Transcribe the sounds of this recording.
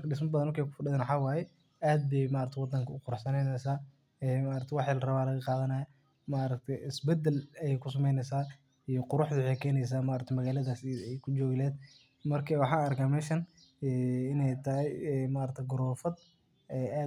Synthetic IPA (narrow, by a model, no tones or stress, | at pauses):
mɐkʰɐɖɪs̬mɐbɐðɐnmɐrkʰɛːjkʰʊ̥fɐɖɪðɛːnwħaːwaːjɛ | ʔaːd̪̚bɛjmaːɾɐkt̪ʰɛjwɑd̪ɐŋkʰɐʊqʊɾʊħsɐnɛjnɛsaː | ɛːmaːɾɐt̪ʰɛwɑħɪlɐrɐβaːlɐɣɐqɑːðɐnaːjɐ | maːɾɐkt̪ʰɛjɪsbɛd̪ːɛlɐjɛjkʰʊs̬ɐmɛjnɛsaː | ijɔqʊɾʊħd̪ʊwħɛjkʰɛːnɛjs̬aːmaːɾɐkt̪ʰɛmɐɣaːlɐðaːsɛjkʰʊd͡ʒɔːɣɪlɛːd̪̚ | mɐrkʰɐwɑħɑːɐrkʰaːmɛːʃɐn | ɛːɪnɛjt̪ʰɐɦɛjɛmaːɾɐk̚t̪ʰɛjɡʊɾɔːfɐd̪ | ɛːʔaː